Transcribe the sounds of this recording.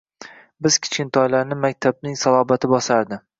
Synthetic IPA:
bɪz̥kʲʰɪ̥t͡ʃʲɪnt̪ʰɒjlaɾnɪmak̚ʲt̪ʰabnɪŋsalˠɒːbat̪ʰɪbɒsaɾd̪ɪ

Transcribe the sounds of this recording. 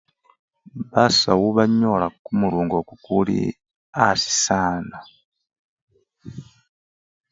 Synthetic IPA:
βasawuβaɲolakumuɾuːŋɡokukulḭ | asi̥saːna

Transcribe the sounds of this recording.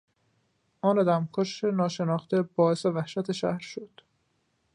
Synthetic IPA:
ʔɒːned̪æmkʰoʃenɒːʃe̞nɒːxt̪ʰebɒːesevæhʃæt̪ʰeʃæ̰hɾʃod̪̥

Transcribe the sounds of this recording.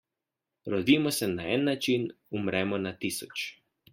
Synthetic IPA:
ɾɔd̪iːmɔsɛnaɛnːat͡ʃinumɾʔɛːmɔnat̪isɔt͡ʃ

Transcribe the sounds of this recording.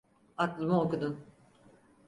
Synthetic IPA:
at̪lˠɯmuokud̪un

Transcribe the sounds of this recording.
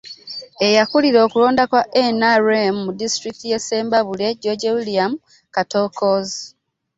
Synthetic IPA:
e̞jakuliɾo̞ːkulo̞ːndakwaʔenaɾemːudistɾiktije̞se̞ːmbaβule̞ɟoɟewiliamu | katokoz

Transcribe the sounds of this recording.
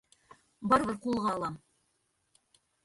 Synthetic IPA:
bɑɾβɤɾqulˠʁɑɑlˠɑm

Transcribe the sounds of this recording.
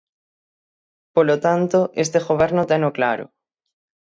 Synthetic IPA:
polot̪ant̪oʔest̪eɣoβ̞eɾnot̪enoklaɾo̰

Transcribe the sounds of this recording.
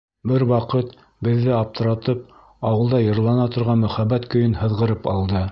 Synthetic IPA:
bɘɾwɑqɤt̪ | bɘ̆ðːɘɑp̚t̪ʰɤ̆ɾɑt̪ɤp̚ | ɑwɤ̆lˠd̪ɑjɤ̆ɾlˠɑnɑt̪ŏɾʁɑnmɵ̆χæbːæt̪kɵ̆jɵnhɤ̆ðʁɤ̆ɾɤpɑ̰lˠd̪ɤ

